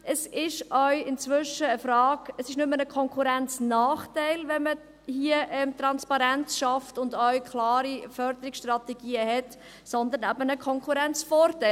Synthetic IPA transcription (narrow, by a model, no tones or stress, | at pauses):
ʔəsɪʃʔœʏɪnt͡svʏʃəːfɾɑːɡ̥əsɪʃnʏmːənəkʰɔŋkʰuɾænt͡snɑːχtæɪlvɛnmə | hiəʔɛmt̪ɾɑnspɑɾænt͡sʃɑftʊndœʏkʰlɑːɾifœɾd̪əɾɪksʃtʁɑtɛɡ̥iːəhɛt | sɔnd̪ənæbənəkʰɔŋkʰχuɾɛnt͡sfɔːɾtæɪl